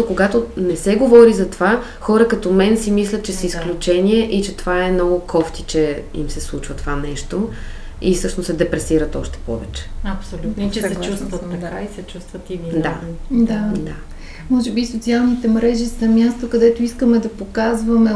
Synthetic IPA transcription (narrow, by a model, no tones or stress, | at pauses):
okoɡat̪onɛsɛɡovɔɾizɐt̪ova | xɔɾəkɐt̪omɛnsimislʲət̪̚t͡ʃɛsəisklʲut͡ʃɛniɛʔit͡ʃɛt̪ovaɛmnɔɡʊkʰɔft̪it͡ʃɛḭmsɛslˠut͡ʃvɐt̪ovanɛʃt̪o | ifsɤʃnosɛd̪ɛpɾɛsiɾət̪ɔʃt̪ɛ̥pɔ̰vɛt͡ʃɛ̥ɐpsolʲut̪nt͡ʃɛt͡ʃust̪vt̪ːkaisɛt͡ʃust̪vɐt̪ivind̪ad̪ad̪a | mɔʒɛbisot̪sialˠnit̪ɛmɾɛʒisəmʲjast̪okɐd̪ɛt̪oiskəmɛd̪ɐpokazvəmɛ